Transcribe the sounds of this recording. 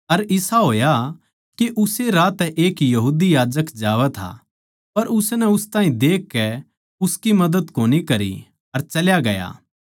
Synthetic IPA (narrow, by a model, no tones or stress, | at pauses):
ɐɾɪsaɦoːja | keʔʊseɾaːt̪ʔeːkjɐɦuːd̪ijaːd͡ʒəkd͡ʒaːʋɛt̪ʰa̰ | pɐɾʊsnɛʊst̪ãːɦĩd̪eːkːɛ | ʊskimɐd̪əd̪koːnikɐɾḭ | ɐɾt͡ʃɐljaɡɐja̰ː